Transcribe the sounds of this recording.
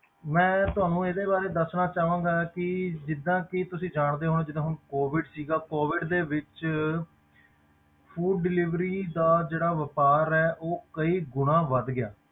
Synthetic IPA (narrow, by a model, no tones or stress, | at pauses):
mɛ̃ːt̪ʊɦaːnũːed̪eːbaːɾeːd̪əsnaːt͡ʃaːʋãːɡaːkɪd͡ʒɪd̪ːãːkɪt̪ʊsĩːd͡ʒaːɳd̪eːɦoːneːd͡ʒɪd̪ãːɦʊɳkoːʋɪɖsiːɡaːkoːʋɪɖd̪eːʋɪt͡ʃ | pʰuːɖːɪlɪʋɾiːd̪aːd͡ʒeːɽaːʋəpaːɾɛːʔoːkəiːɡʊnãːʋəd̪ɡɪja̰ː